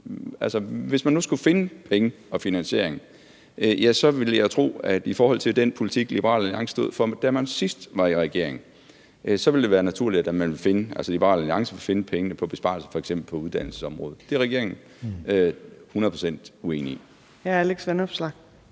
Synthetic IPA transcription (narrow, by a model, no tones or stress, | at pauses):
ælsəʋe̝smænːusɡ̥ufe̝nəpʰeŋə | ɒ̽finænɕe̝ɐ̰eŋ | ʔjæsɒ̽ʋe̝ləjɑ̈ɪt͡sʰʁo̝̰ːæd̥ifɒːɒ̽l̰t͡sʰe̝ld̥enpʰo̝lit͡sʰiɡ̥lib̥əʁɑ̰̈ːlæliɑ̈ŋsə̥sd̥oð̰ˠfɒd̥æmænsisd̥ʋɑ̈iʁɛɡ̥e̝ɐ̰eŋ̩ | ʔsɒ̽ʋe̝ld̥e̝ʋæːɐnæt͡sʰuɐ̰lid̥æd̥æmænʋe̝lfe̝nəʔælsəlib̥ɐʁɑ̰̈ːlæliɑ̈ŋsəʋefe̝nəpʰeŋənəpʰɒ̽b̥e̝sb̥ɑ̰̈lsə̥fɒ̽eɡ̥semb̥l̩pʰɒ̽uðˠd̥æn̰l̩sə̥sɒ̽mʁɔ̰ːð̞̩ˠd̥e̝ʁɛɡ̥e̝ɐ̰eŋn̩ | øhunɐð̩ˠpʰʁo̥sen̰d̥ue̝̰ːni | jææleɡ̥sʋenɒb̥slɑɡ̥̚